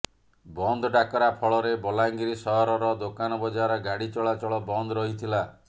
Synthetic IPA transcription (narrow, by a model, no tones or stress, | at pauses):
bɔnd̪ʱɔɖakɔɾapʰɔɭɔɾebɔlaŋɡiɾisɔɦɔɾɔɾɔd̪okanɔbɔd͡ʒaɾɔɡaɽit͡ʃɔɭat͡ʃɔɭɔbɔnd̪ʱɔɾɔɦit̪ʰila